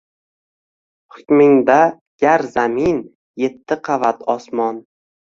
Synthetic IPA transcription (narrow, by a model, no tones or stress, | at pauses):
hʊkʲmɪŋd̪a | ɡ̥ʲaɾzamin | je̞t̪ʰːɪqʰɑvat̪ʰɒsmɒn